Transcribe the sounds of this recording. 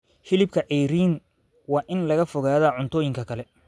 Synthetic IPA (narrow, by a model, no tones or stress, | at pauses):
hɪlɪbkʰɐʔɛjɾiːn | wɑːʔɪnlɐɣɐfɔɣaːðaːʕʊnt̪ʰɔːjɪŋkʰɐkʰɐlɛ